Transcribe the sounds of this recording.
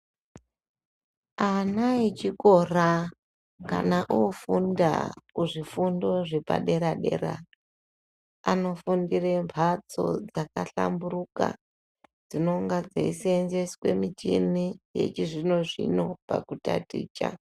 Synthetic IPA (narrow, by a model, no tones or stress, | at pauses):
anait͡ʃiko̞ra | kanaʔufunda̰kuʐifundo̞ʐe̞pa̰ɗe̞ɾaɗe̞̰ɾa | ano̞fundirempʰat͡so̞̰d͡zakaɬamburuka̰ | d͡zino̞ŋɡad͡zeisienzeskwe̞mit͡ʃinijḛt͡ʃiʐino̞ʐḭno̞pa̰kutatiːt͡ʃa̰